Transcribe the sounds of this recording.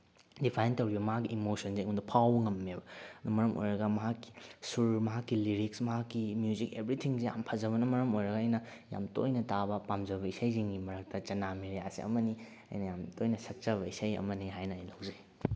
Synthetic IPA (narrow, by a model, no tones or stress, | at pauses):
dipʰajntɐwɾibɐmɐɦakːiʔːmosɐnseŋundɐpʰawbɐŋɐmːebɐd̪umɐɾɐmʔo̰jɾɐɡɐmɐɦakːi̥suɾmɐɦakːiliɾik̚smɐɦakːimjuzikebɾitʰiŋzeja̰mpʰɐzɐβɐnɐmɐɾɐmojɾɐɡɐɐjnɐ | ja̰mto̰jnɐtabɐpamzɐbɐisajziŋɡimɐɾɐk̚tɐt͡ʃɐnamiɾeasḭɐ̰mɐni | ɐ̰jnɐjamtojnɐsɐk̚t͡ʃɐβɐisɐjɐ̰mɐniɦajnɐːjlɐwzɐi